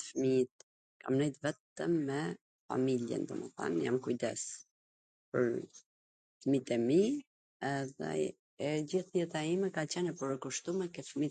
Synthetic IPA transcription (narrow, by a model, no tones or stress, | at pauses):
fmit̪̚ | kʰamnɛjt̪vɛt̪əmːɛ | fa̰miljɛ̰nd̪ɔmɛ̰θa̰njamkujd̪ɛs | pə̰ɾ | fmit̪ɛmi | ɛðɛ̰ | ɛd͡ʑiθjɛt̪aimɛkat͡ɕɛnɛpəɾkuʃt̪umɛkɛfmi